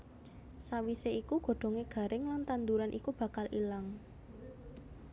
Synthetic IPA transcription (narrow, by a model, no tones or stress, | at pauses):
sawiseikuɡ̥o̤ɖ̪̥ɔ̤ŋeɡ̥a̤ɾʔɪŋlant̪and̪uɾanʔḭkub̥ä̤kalilaŋ